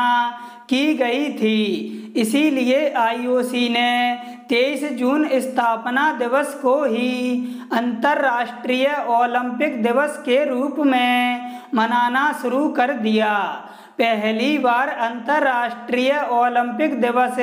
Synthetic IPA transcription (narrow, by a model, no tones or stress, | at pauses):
kiɡɐit̪ʰiɪsilieʔaːioːsine | t̪eːisd͡ʒuːnɪst̪ʰaːpnad̪ɪʋəskoɦi | ə̃nt̪əɾːaːʃʈɾijəoːlə̃mpɪkd̪ɪʋəskeɾuːpmẽmənaːnaʃʊɾukəɾd̪ijaː | pɛɦlibaːɾɐ̃nt̪əɾːaːʃʈɾiːjəoːlɪ̃mpɪkd̪ɪʋəs